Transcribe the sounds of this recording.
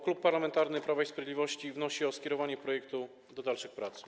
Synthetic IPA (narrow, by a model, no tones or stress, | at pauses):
klupːaɾlamɛnt̪aɾnɘpɾavaispɾɔvʲjd̪lʲivɔɕt͡ɕivnɔɕiɔskʲɛɾɔvaɲɛpɾɔjɛkt̪u | d̪ɔd̪alʂɘxpɾat̪s